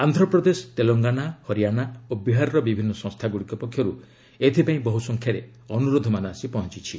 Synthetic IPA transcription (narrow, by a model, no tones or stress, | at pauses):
and̪ʱɾɔpɾɔd̪esɔ̥t̪elɔŋɡanahɔɾijanaobiɦaɾɾɔbibʱinːɔsɔ̃ŋst̪ʰaɡuɽikɔpɔkʰːjɔɾu | et̪ʰipaĩbɔɦusɔŋkʰjaɾe | ɔnuɾod̪ʱɔmanɔasipɔɦɔ̃t͡ʃit͡ʃʰi